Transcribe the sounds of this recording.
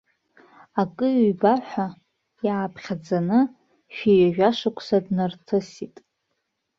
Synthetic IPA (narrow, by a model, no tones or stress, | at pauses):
akʼɨɥbaħʷᶣa | jaːpʰχʲad͡zanɨ | ʃᶣijaʒᶣaʂakʷʰʼsadnartʰɨsitʼ